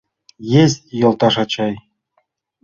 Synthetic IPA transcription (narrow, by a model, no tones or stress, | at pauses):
jezʲjŏlˠt̪ɑʂɑt͡ɕɑj